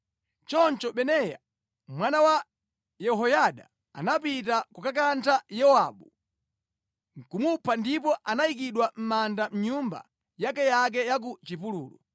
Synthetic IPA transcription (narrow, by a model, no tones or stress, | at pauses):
t͡ʃɔnt͡ʃɔɓɛnɛja̰ | mwanawa | jɛɦɔjaɗa | a̰napitakukakantʰajɛwa̰ɓu | ŋ̩kumupʰandipɔʔanaik̬iɗwam̩mandam̩ɲumba̰ | jakɛjak̬ɛjak̬ut͡ʃipulṵːlṵ